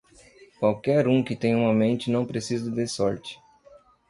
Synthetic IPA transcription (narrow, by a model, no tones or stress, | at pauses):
kwawkɛɾũkɪt̪ẽj̃ɐũmɐmẽnt͡ʃɪnɐ̃w̃pɾesizɐd̪esɔɾt͡ʃɪ̥